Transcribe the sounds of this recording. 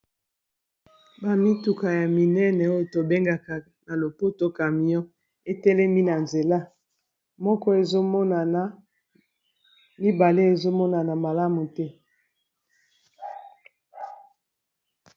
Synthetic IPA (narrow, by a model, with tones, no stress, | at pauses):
ba˨mi˦tu˨ka˨ja˨mi˨nɛ˦nɛ˨o˦jo˨to˨be˦ŋɡa˨ka˨ | na˨lo˨po˦to˦ka˨mi˨ɔ̃˦ | e˦tɛ˦lɛ˦mi˦na˨nze˨la˦ | mɔ˦kɔ˦e˨zo˦mɔ˦na˨na˨˦ | mi˦ba˨le˦e˨zo˦mɔ˦na˨na˨ma˨la˦mu˨tɛ˦